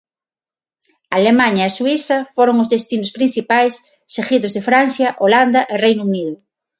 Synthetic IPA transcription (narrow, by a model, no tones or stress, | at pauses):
aalemãɲɐeswiθɐfoɾoŋʊzðest̪inʊspɾinθipajsː | eɣiðʊzðefɾanθjɐʔoland̪ɐʔerejnuuniðʊ